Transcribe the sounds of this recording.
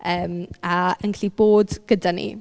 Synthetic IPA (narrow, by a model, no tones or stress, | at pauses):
əːmaəŋkʰliboːdɡ̥ədanḭ